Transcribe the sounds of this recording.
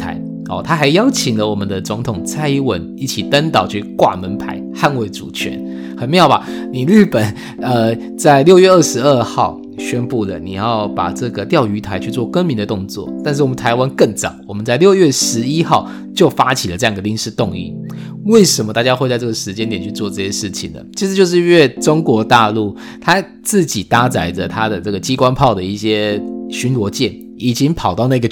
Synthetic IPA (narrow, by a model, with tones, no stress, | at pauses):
a̰˧˥ɪ | ɔ˨˩t̪ʰa˥xa˧˥ɪjɑ˥ʊt͡ɕʰi˨˩ŋlə˦wɔ˨˩mə˦nd̪ə˧t͡sʊ˧˥ŋt̪ʰʊ˨˩ŋt͡sʰa˥ɪwə̰˧˥ni˥˩t͡ɕʰi˨˩t̪a˦nt̪ɑ˨˩ʊt͡ɕʰy˥˧kwa̰˥˩mə˧˥npʰa̰˧˥˦ɪxa˥˧nwe˥˩ɪʈ͡ʂu˨˩t͡ɕʰɥɛ̰˧˥˦n | xə˨˩nm˧˥jɑ˨˩ʊba˨˩ni˨˩ly˥˩pə˨˩n | ə˧˩ | t͡sa˥˧ɪljo˥˧ʊɥɛ˥˧ə˥˩ʂɻ̩˧˥ə˥˧xɑ˥˩ʊ | ɕɥɛ˥npu˥˩lə̰˩ni˨˩jɑ˥˩ʊpa̰˨˩ʈ͡ʂɤ˥˩ɡə˩t̪jɑ˥˩ʊy˧˥t̪ʰa˧˥ɪt͡ɕʰy˥˧t͡swɔ˥˩kə˥nmi˧˥ndə˧t̪ʊ˥˧ŋt͡swɔ̰˥˩t̪a˥˧nʂ̬ɻ̩˥˩wɔ˨˩mə˦nt̪ʰa˧˥ɪwa˥˦nkə˥˩ŋt͡sɑ̰˨˩˦ŋwɔ˨˩mə˦nt͡sa˥˧ɪljo˥˧ʊɥɛ˥˩ʂɻ̩˧˥i˥xɑ˥˩ʊ | t͡ɕjo˥˩ʊfa˦t͡ɕʰi˨˩lə˩ʈ͡ʂɤ˥˧jɑ˥˩ŋɡə˩li˥˧ŋʂɻ̩˥˧t̪ʊ˥˧ŋḭ˥˩ | we˥˩ɪʂə˨˧˥mə˧t̪a˥˧˩t͡ɕja˦˥xwe˥˧ɪt͡sa˥˧ɪt͡sɤ˥˩ɡə˩ʂɻ̩˧˥t͡ɕjɛ˥nt̪jɛ˨˩nt͡ɕʰy˥˧t͡swɔ˥˧ʈ͡ʂɤ˥˧ɕjɛ˧˥ʂɻ̩˥˩t͡ɕʰḭ˨˩ŋd̪ə̰˩t͡ɕʰi˧˥ʂɻ̩˥˧t͡ɕjo˥˧ʊʂ̬ɻ̩˥˧we˥˩ʈ͡ʂʊ˥ŋkwɔ˧˥t̪a˥˧lu˥˩ | t̪ʰa˥ | t͡sɹ̩˥˩t͡ɕi˨˩t̪a˥t͡sa˧˥ɪdə˨t̪ʰa˥d̪ə˨t͡sɤ˥˩ɡə˩t͡ɕi˥kwa˥npʰɑ˥˩ʊd̪ə˩i˥˩ɕjɛ˦˥ɕy˧˥nlwɔ˧˥t͡ɕjɛ˥˩n | i˨˩t͡ɕi˦ŋpʰɑ˨˩ʊt̪ɑ˥˧ʊna˥˧ɡə˩